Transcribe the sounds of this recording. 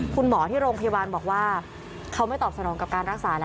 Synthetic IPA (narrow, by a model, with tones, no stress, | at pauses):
kʰu˧nmɔː˩˦t̪ʰiː˥˩ɾoː˧ŋpʰa˧ja˧waː˧nbɔː˨˩k̚waː˥˩ | kʰa˦˥wma˥˩jt̪ɔː˨˩p̚sa˧nɔː˩˦ŋka˨˩kaː˧nɾa˦˥k̚saː˨˩˦lɛ˦